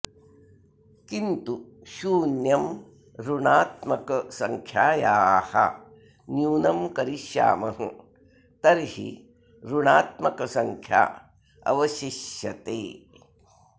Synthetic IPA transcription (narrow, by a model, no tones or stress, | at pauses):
kint̪uʃuːnjɐm | ɾuɳaːt̪mɐkɐsɐŋkʰjaːjaːhɐ̰ | njuːnɐmkɐɾiʃja̰ːmɐɦɨ | t̪ɐɾhḭ | ɾuɳaːt̪̚mɐkɐsɐŋkʰja̰ː | ɐ̰ʋɐʃiʃjɐt̪eː